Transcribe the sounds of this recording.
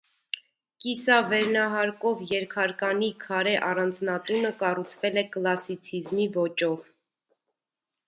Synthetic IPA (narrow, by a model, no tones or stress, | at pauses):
kisɑvɛɾnɑɦɑɾkɔvjɛɾkʰɑɾkɑnikʰɑɾɛʔɑrɑnd͡znɑt̪unəkɑrut͡sʰvɛlɛkəlɑsit͡sʰizmivɔt͡ʃɔv